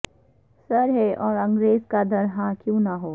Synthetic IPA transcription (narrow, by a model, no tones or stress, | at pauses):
sɐɾɦeʔɔːɾɐ̃ŋɡɾeːzkad̪ʱɐɾɦãːkjũːnaɦoː